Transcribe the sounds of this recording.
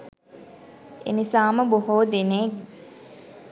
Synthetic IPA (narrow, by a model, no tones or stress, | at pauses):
ḛnisaːməboɦoːd̪inek